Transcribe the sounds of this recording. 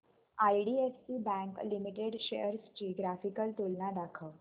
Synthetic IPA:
ajɖiefsibæ̃ŋklimiʈeɽɕejəɾst͡ɕiːɡɾafikəlt̪olnaɖakʰəː

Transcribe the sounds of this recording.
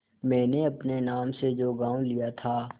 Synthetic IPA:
mɛ̃ːneɐpnenaːmsed͡ʒoːɡãːwlijat̪ʰaː

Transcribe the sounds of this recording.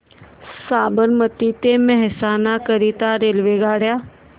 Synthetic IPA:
saːbəɾmət̪iːt̪eːmɛɦsaːnaːkəɾiːt̪aːɾeːlʋeːɡaːɽjaː

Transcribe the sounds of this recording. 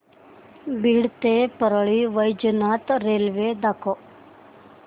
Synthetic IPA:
biɽt̪epəɾəɭiʋɐjd͡ʒnaːt̪ɾelʋed̪ako

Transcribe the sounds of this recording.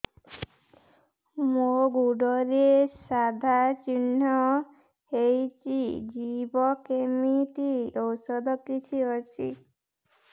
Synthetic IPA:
moɡuɖɔɾiesad̪ʱat͡ʃinːɔ | hejt͡ʃid͡ʒibɔkemit̪iɔwsɔd̪ʱɔkit͡ʃʰiɦɔt͡ʃʰḭ

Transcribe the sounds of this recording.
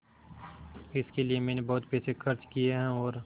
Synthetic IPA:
ɪskelijemɛ̃ːnebɐɦʊt̪peːsexɐɾt͡ʃkijeɦɛ̃ɔːɾ

